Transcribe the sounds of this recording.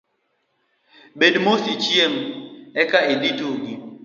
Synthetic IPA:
ɓedmosit͡ʃiemɛkailitoɡi

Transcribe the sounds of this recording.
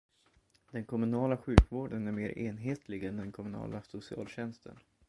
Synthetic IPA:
d̪ɛnkʰɔmɵnɑːlaɧʉ̟ːkvoːɖənæɾmeːɾʔeːnɦeːt̪ʰlɪɡɛnd̪ɛnkʰɔmɵnɑ̰ːlasʊsɪɑ̰ːlɕɛnst̪ʰə̰n

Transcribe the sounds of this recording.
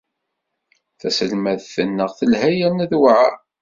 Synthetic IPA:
θæsəlmæðθənːəʁθəlhæjænæðwʕa̰

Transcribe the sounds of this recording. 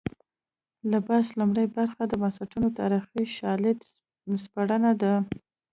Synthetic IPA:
labaslumɽəjbaɾxad̪əmansaʈunot̪ɑ̰ɾixiʃɑlɪd̪ | spaɽənad̪a

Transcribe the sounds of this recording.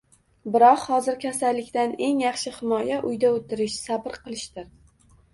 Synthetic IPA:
bɪɾɒqhɒzɪɾkʲʰasalːɪkʲt̪ane̞ŋjɑχʃɪhɪmɒjaʔʊjd̪aot̪ʰɪɾɪʃsabɪɾqʰɨlˠɪʃt̪ɪɾ

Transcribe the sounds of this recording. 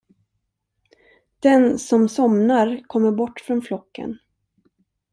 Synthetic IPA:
d̪̥ɛnsɔmsɔmnaɾkʰɔmːəɾbɔʈːfɾɔnflɔkʰːə̰n

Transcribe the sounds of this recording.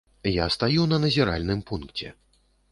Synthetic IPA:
jast̪ajuwnɐnɐzʲiɾa̰lʲnɨmpunkt͡sʲɛ̰

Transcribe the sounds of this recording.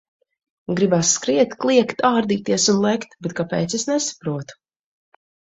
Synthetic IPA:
ɡɾibasːkɾiɛt̪klˠiɛkt̪aːɾd̪iːt̪iɛsunlˠɛkt̪bɛt̪̚kapɛːt̪sesnɛsḁpɾuɔt̪u̥

